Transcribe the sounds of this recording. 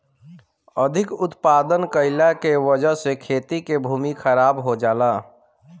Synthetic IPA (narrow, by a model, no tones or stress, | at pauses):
əd̪ʱɪkʊt̪paːd̪ənkəɪlakewəd͡ʒəɦsekʰeːt̪ikebʱuːmikʰəɾaːbɦod͡ʒaːla